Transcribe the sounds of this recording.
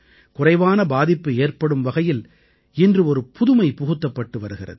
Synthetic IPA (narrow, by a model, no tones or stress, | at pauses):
kʊrɐɪʋaːnɐbaːðɪpːɯeːrpɐɽɯmʋɐɣɐjɪl | ɪndrɯɔɾɯpʊðʊmɐɪpʊɣɯt̪ːɐpːɐʈːɯʋɐɾɯɣɪrɐ̰ðɯ